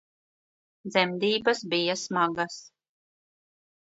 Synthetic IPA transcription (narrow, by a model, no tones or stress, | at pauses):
d̪zɛmd̪iːbɐsbijasmaɡas